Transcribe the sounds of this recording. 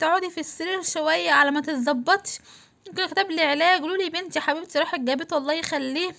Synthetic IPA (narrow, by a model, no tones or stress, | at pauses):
t̪aʕuːd̪jfisːeɾiɾʃowæjːæʕalæmæt̪et̪zˤɑbːɑt̪ˤʃ | momkenkt̪æːbleʕlæːɡluːlibent̪iħabiːbt̪iɾˤɑːħek̚ɡæbet̪wɑlˤːɑːhjexælːiː